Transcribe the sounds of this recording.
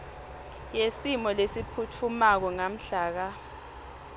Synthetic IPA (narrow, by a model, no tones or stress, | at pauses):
jesimɔlesipʰutʰumak̬ɔŋam̩ɬaːk̬a